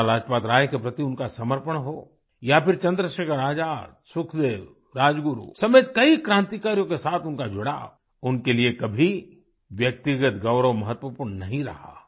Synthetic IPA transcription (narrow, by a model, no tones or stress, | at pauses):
laːd͡ʒpaːt̪ɾaːjkepɾɐt̪iʊnkasɐməɾpəɳɦoː | japɪɾt͡ʃɐ̃nd̪ɾəʃekəɾaːd͡ʒaːt̪sʊkʰd̪eːw | ɾaːd͡ʒɡʊɾṵsɐmeːt̪kɐikɾãːnt̪ikaːɾijõkesaːt̪ʰʊnkad͡ʒʊɽa̰ | ʊnkeliekɐbʱi | ʋjɐk̚t̪ɪɡət̪ɡɐʊɾəʋmɐɦət̪ʋəpuːɾɳnɐɦĩɾɐ̰ɦa̰ː